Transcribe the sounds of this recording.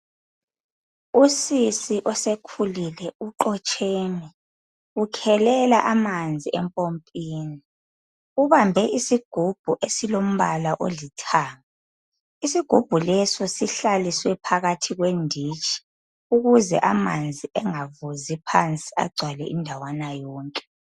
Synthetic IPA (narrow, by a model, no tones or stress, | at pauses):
usisiʔɔsekʰulilɛuǃɔt͡ʃʼeːnɛ | ukʰɛlɛlaʔamand͡zʱiɛmpʼompʼiːni | uβambʱɛʔisiɡ̥ʱub̥ʱuʔesilom̩βalaʔo̰litʰaːŋa | isiɡ̥ʱub̥ʱulɛsɔsiɬaliswɛpʰaɣatʰiɣwendʱit͡ʃʼi̥ | uɣuzɛ̰ʔamand͡zʱiɛŋavuzipʰant͡sʼia̰ɡ͡ǀʱwalɛ̰ʔindʱawanajɔːŋkʼɛ̥